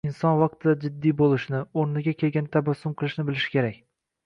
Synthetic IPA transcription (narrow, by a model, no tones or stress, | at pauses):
ɪnsɒnvɑq̚t̪ʰɪd̪ad͡ʒɪd̪ːijbolˠɪʃnɪoɾnɪɡʲakʲʰe̞lɡʲant̪ʰabasːʊmqʰɨlˠɪʃnɪbɪlɪʃɪ̥kʲʰe̞ɾakʲ